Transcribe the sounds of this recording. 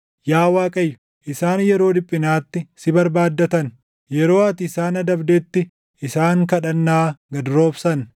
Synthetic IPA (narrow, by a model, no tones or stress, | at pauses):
jaːwaːkʼɐjːʊ̥ | ʔɪsaːnjɛɾo̞ːd̪ɪpʼːɪnaːt̪ːɪsɪbɐɾbaːd̪ːɐt̪ɐn | jɛɾo̞ːɐt̪ɪsaːnɐd̪ɐbd̪et̪ːɪ | ʔɪsaːŋkɐᶑɐnːaːɡɐd̪ɾo̞ːbsɐn